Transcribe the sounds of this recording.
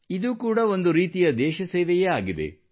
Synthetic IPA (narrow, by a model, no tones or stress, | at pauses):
id̪uːkuːɽɐo̞nd̪uɾiːt̪ijɐd̪ɛːʃɐseːʋɛjeaːɡid̪ḛ